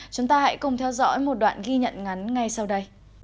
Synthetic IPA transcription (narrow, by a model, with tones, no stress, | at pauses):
t͡ɕʊ˨˦ŋ͡mt̪aː˧ha̰˧˥jkʊ˨˩ŋ͡mt̪ʰɛ˧wzɔ̰˧˥jmo˨˩t̚ɗwa̰ː˧˨nɣi˧ɲə̰˧˨nŋa˨˦nŋa˨˩jsa˧wɗə˧j